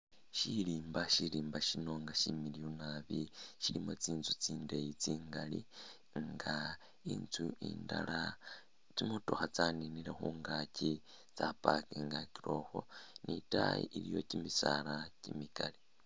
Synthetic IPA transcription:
ʃiliːmbaʃiɾiːmbaʃino̞ŋɡaʃimilijonaβiʃiɾimot͡siːnzut͡siːndejit͡siːŋɡali | ŋɡa | ḭnt͡suḭːnda̰la | t͡simutoxat͡saniniɾexuːŋɡaci | t͡sapakiŋɡakiɾo̞xo̞̰nitaḭʔiɾijo̞̰cimisaɾacimikali

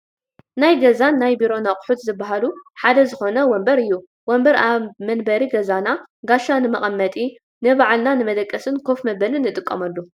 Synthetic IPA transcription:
najɡɐzanːajbiɾo̞naχʼħut̪zɨbːaɦaluħad̪ɐzɨxo̞nɐwɔmbɐɾɨjːu | wɔmbɐɾaβmɐnbɐɾiɡɐzanaɡaʃanɨmɐχʼɐmːɐt̪ʼi | nɨβaʕalnanɨmɐd̪ɐkʼːɐsɨnkʰo̞fmɐbɐlɨnːɨt̪ʼɨkʼːɐmɐlːu

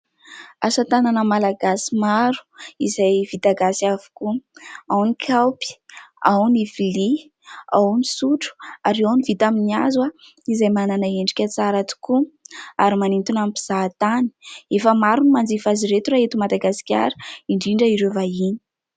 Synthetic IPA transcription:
asat̪ananəmalaɡasimaɾu̥izajv̥it̪aɡasiavu̥kuawnikʲʰawpi̥awnivili | awnisuʈ͡ʂu̥aɾeawnivit̪aminiazwa | izajmananaeɳɖ͡ʐi̥kʲət͡saɾat̪u̥kuaɾimanint̪unampiz̥at̪ani̥efəmaɾunimand͡zifaziɾet̪uɾaɦet̪umad̪aɡasi̥kʲa̰ɾə̥iɳɖ͡ʐiɳɖ͡ʐəiɾevaini̥

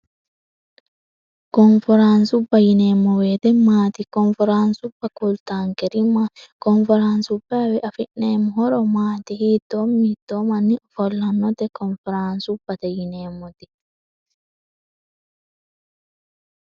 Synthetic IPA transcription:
kɔnfɾansubajinɛmɔwɛtɛmaːtikɔnfɛɾansubakultaŋkɛɾimakɔnfɛɾansubawɛʔafinɛmɔhɔɾɔmaːt̪ihitɔmitɔmanifɔlːanːɔtɛkɔnfɛɾansubatajinɛːmɔti

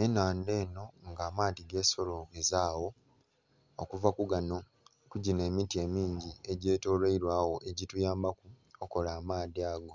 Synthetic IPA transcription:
enaːnde̞ːno̞ŋɡaːmaːdiɡe̞ːso̞lo̞ezaːwo̞ | o̰kuvakuɡano̞ | kuɟine̞ːmitie̞miːɲɟie̞ɟe̞ːto̞ːleiɾwaːwo̞ʔeɟitujaːmbakuoko̞laːmaːdiaːɡo̞

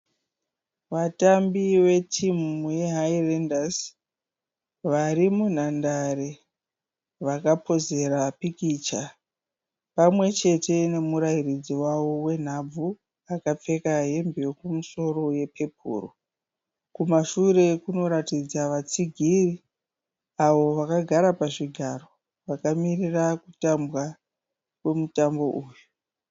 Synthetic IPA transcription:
ʋatambiwe̞tʰimuje̞ɦairendas | ʋaɾimun̤andaɾe | ʋakapoze̞ɾapikit͡ʃa | pamwe̞t͡ʃe̞te̞ne̞muɾairid͡ziwawo̞we̞n̤ab͡vu | akap͡fe̞kaɦe̞mbekumuso̞ro̞je̞pʰe̞pʰṵːro̰ | kumaʃure̞kuno̞ɾatid͡zaʋat͡siɡʱiri | aʋo̞ʋakaɡʱaɾapaʐiɡʱaro̞ | ʋakamirirakutambwa | kwe̞mutambo̞ʔuːju

